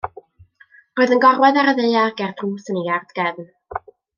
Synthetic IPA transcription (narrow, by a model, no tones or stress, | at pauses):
roːɨðənɡɔrwɛðaɾəðeɨaɡɛrd̥ruːsəneard̥ɡ̥ɛvn